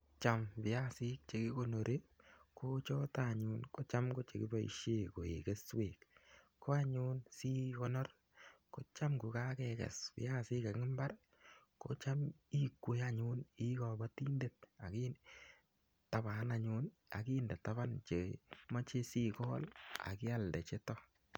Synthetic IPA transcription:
t͡ʃa˨mpɪ˨ja˦si˦k̚t͡ʃe˨ki˦ko˨no˨ɾe˦ko˦t͡ʃɔ˦ta˨ɲu˦nko˦t͡ʃa˦mko˦t͡ʃe˨ki˦ba˦ḭ˨ʃe˦ko˨e˨ke˦sweː˨k | kːo˦a˦ɲʊ˦nsi˦kɔ˦nɔ˦r | ko˨˦t͡ʃa˦mku˨ka˦kɛ˨kɛ̰˨spɪ̰˨ja˦si˦ka˨kŋɪ˦mba˦r | ko̰˨˦t͡ʃa˦mi˦kːo˨ja˦ɲʊ˦ni˦kɔ˨ba˦ti˦nde˨t̚a˨ki | ta˨ba˨˦na˨ɲu˦n | a̰˨ki˦nde˨tːa˦βa˦nt͡ʃe˨ma˦t͡ʃe˦si˦kɔː˦la̰˨kɪ˦a˦ldɛ˨t͡ʃe˦tɔ˦

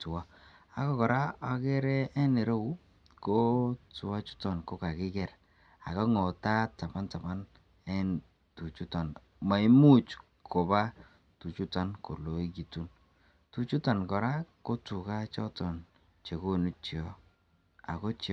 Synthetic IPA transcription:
tʊ˨wa˦ | a˨kɔ˦kɔ˨ɾa˦a˨kɛ˦ɾɛ˦ɛ˦nɛ˨ɾo˦u˦ | ko˦tʊ˨a˦t͡ʃu̥˦tɔ˨nkɔ˦ka˨kɪ˦ɡɛ˨ɾ | a̰˨kɔ˦ŋɔ˨ta˦ta˨ma˦nta˨ma˦n | ɛ˦n | tu˨t͡ʃu˦tɔ˨n | ma˨i˦mu˦t͡ʃ | kʰɔ˨ba˦ | tu˨t͡ʃu˦tɔ˦nko̰˨lo˨i˦ɡi˨tu˦n | tu˨t͡ʃu˦tɔ˨nkɔ˨ɾa˦ko˦tu˨ka˦t͡ʃɔ˦tɔ˨n | t͡ʃe˨ko˦˨nu˦t͡ʃi˨ɔ˦ | a̰˨kɔ˦t͡ʃ

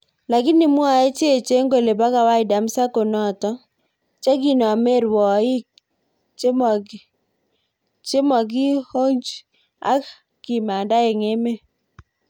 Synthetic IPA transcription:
la˨kɪ˦nɪ˨mwa˦˨e˦t͡ʃe˦e˨t͡ʃe˦ŋɡo˨le˨ba˦ka˨wa˦ɪ˨da˨msa˦ko˨nɔ˦˨tɔ˦ | t͡ʃa˦ɡi˨nɔ˨a˨me˦ɾwɔ˨˦i˦ | t͡ʃe˦m˨ | t͡ʃe˦mɔ˨ɡi˦ho˦ɲd͡ʒ | a̰˦k | ki˨ma˨nda˦e˨ŋe˦me˦

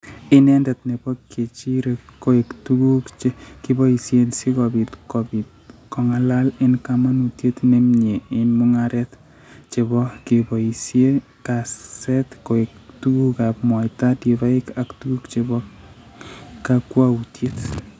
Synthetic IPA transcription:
ɪ˦nɛndɛ˨tne˨bɔ˦kːe˨t͡ʃi˦ɾeko˨e˨ktuɡu˦kt͡ʃeki˦bɔ˦i˨sje˦nsi˦ko˨bi˨tkobi˨t | kɔ˨ŋa˦la˦lɪ˦nkama˦nutje˦tne˦mɲe˨ɪ˦nmu˦ŋaɾɛ˦t | t͡ʃe˨bɔ˦ki˨bo˨isje˦ | kassɛ˦tko˨e˨k̚tu˦ɡu˦ka˨pmwɔ˨ita˦di˨βa˦ɪ˦ka˨ktu˦ɡu˦kt͡ʃebɔ | kakwa˦u˨tje˦t

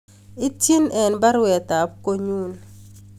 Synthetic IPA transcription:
ɪ˦ti˦nʔɛ˨nba˦ɾwɛ˨t̪a˨p̚ko˦ɲu˦n

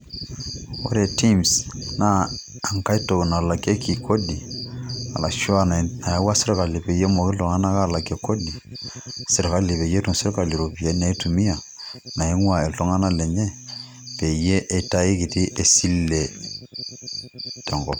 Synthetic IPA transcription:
o̰˦ɾe˨ti˦msna˦ | a˨ŋka˦i˦to˨na˨la˨ke˦kʰi˨ko˦di˨ | a̰˨la˨ʃu˦a˦˨na˨a˦wa˦sɪ˦ɾɔ˦ka˨le˨pe˨je˦mɔ˨ki˦ltɔ˨ŋa˦na˦ka˦˨la˨kɛ˨ko˦di˨ | sɪ˨ɾɔ˨ka˦le˨βe˨je˦tu˨sɪ˦ɾɔ˦ka˨li˨ɾo˨pi˨a˨˦na˨i˦tu˨mi˦a˨ | na˨e˦ŋwa˨e˨ltɔ˦ŋa˦na˦lɛ˨ɲɛ˦ | pe˨je˦ʔe˦ta˦e˦ki˨ti˦ʔe˨si˦lɛ˨ | tɛ˨ŋɡɔ̰˨

